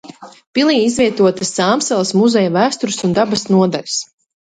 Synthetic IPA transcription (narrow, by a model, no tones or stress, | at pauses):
pilˠiːizvʲiɛt̪uɔt̪asːaːmsɛlˠɐsmuzɛjavæːst̪uɾsund̪abɐsnuɔd̪a̰lʲs